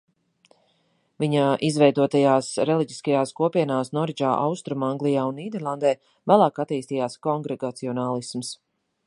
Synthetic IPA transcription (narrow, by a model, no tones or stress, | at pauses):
viɲaʔizvɛjd̪uɔt̪ajaːsɾɛlˠiɟiskajaːskuɔpiɛnaːsnɔɾid͡ʒaːʔa̰wst̪ɾumaŋɡlˠijaːunːiːd̪ɛɾlˠand̪ɛː | væːlˠɑːkat̪iːst̪iːjaːskɔŋɡɾɛɡat̪siɔnaːlˠisms